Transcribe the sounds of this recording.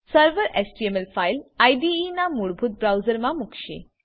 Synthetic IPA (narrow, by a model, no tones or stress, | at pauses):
səɾʋəɾesʈiemelfajlajɖiinamuɽbʱut̪̚bɾawzəɾmamukʃḛ